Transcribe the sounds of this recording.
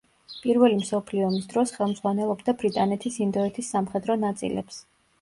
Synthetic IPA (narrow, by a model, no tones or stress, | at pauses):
pʼiɾvɛlimsɔpʰliɔmisd̪ɾɔsχɛlˠmd̪zʁwanɛlˠɔbd̪abɾit̪ʼanɛt̪ʰisind̪ɔɛt̪ʰisːamχɛd̪ɾɔnat̪sʼḭlɛ̰ps